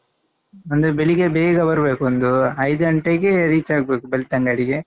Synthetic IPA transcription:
ɐnd̪ebeɭiɡebeːɡɐbɐɾɯbeːkuond̪uɐjd̪ɐɐɳʈeɡeɾiːt͡ʃaːɡɐbeːkubelit̪ɐŋɡaːɽiɡe

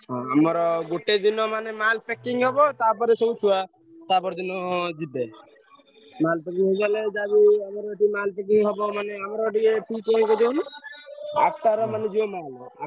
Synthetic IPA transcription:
ɦãamɔɾɔɡoʈed̪inɔmanemalpekiŋɦɔbɔt̪ap̬ɔɾesɔbut͡ʃʰua | t̪apɔɾed̪inɔd͡ʒid̪e | malpɛkiŋɦɔd͡ʒaled͡ʒabiamɔɾɔʈimalpek̬iŋɦɔbɔmaneamɔɾɔɖiepikẽkɔd̪iuni | akʈaɾɔmaned͡ʒiɔmala

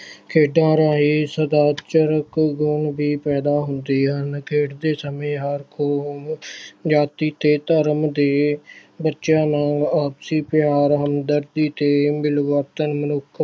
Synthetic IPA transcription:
kʰeːɖãːɾaːɦiːsəd̪aːt͡ʃəɾəkɡʊɳbiːpɛːd̪aːɦʊnd̪iːɦənkʰeːɖd̪eːsəmẽːɦəɾkʰoː | d͡ʒaːt̪iːt̪eːt̪əɾəmd̪eːbətːʃjãːnãːɡaːbsiːpɪjaːɾɦəmd̪əɾd̪iːt̪eːmɪlʋəɾt̪ənmənʊkʰ

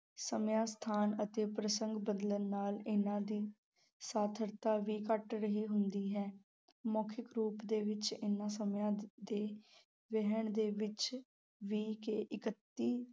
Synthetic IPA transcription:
səmjãːst̪ʰaːnət̪eːpɾəsəŋɡbəd̪lənːaːlɪnãːd̪iː | saːt̪ʰəɾt̪aːʋiːkəʈɾəɦiːɦʊnd̪iːɦɛː | moːkʰɪkɾuːpd̪eːʋɪt͡ʃɪnãːsəmjãːd̪eː | ʋɛɦəɳd̪eːʋɪt͡ʃ | ʋiːkeʔɪkət̪ːiː

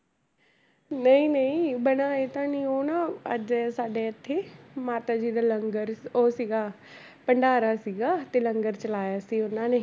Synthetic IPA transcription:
nəĩːnəĩːbəñaːeːt̪ãːnĩːoːnãːəd͡ʒsaːɖeːət̪ʰːeːmaːt̪aːd͡ʒiːd̪aːləŋɡəɾoːsiːɡaː | pəɳɖaːɾaːsiːɡaːt̪eːləŋɡəɾt͡ʃəlaːjaːsiːʊnãːneː

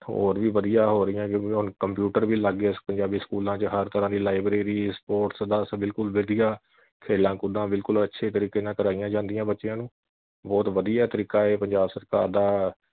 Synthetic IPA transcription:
ho̰ːɾʋiːʋəd̪ijaːɦoːɾəɪjãːkjõːkiɦʊnkəmpjuːʈəɾʋiːləɡespəɲd͡ʒaːbiːskuːlãːt͡ʃəɦəɾt̪əɾãːd̪iːlaːɪbɾeːɾiːspoːʈsd̪aːsbɪlkʊlʋəd̪ijaː | kʰeːlãːkʊd̪ãːbɪlkʊlətːʃʰeːt̪əɾiːkeːnãːkəɾaːijãːd͡ʒãːnd̪ɪjãːbətːʃjãːnũː | bɔːt̪ʋəd̪ijaːt̪əɾiːkaːeːpəɲd͡ʒaːbsəɾka̰ːɾd̪aː

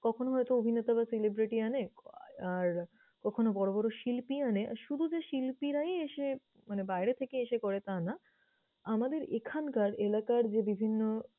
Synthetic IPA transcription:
kɔkʰonoɦɔet̪oobʱinet̪aβaselebɾiʈianeaɾ | kɔkʰonobɔɾobɔɾoʃilpianeʔa̰ɾʃud̪ʱud͡ʑeʃilpiɾajeeʃe | manebajɾet̪ʰekeeʃekɔɾet̪ana | amad̪eɾekʰankaɾelakaɾd͡ʑebibʱinːo

